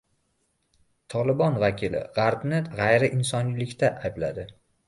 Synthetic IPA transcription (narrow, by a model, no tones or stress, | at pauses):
t̪ʰɒlɪbɒnvakʲʰɪlɪ̰ʁɑɾbnɪʁajɾɪʔɪnsɒnlɪkʲt̪ʰaʔajblad̪ɪ